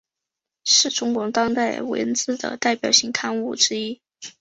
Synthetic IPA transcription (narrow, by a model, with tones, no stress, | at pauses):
ʂɻ̩˥˩ʈ͡ʂʊ˥ŋkwɔ˧˥t̪ɑ˥ŋt̪a˥˩ɪwə̰˧˥nt͡sɹ̩˥˩d̪ə̰˩t̪a˥˩ɪpjɑ˨˩ʊɕi˥˩ŋkʰa˥˧nu˥˩ʈ͡ʂɻ̩˥i˥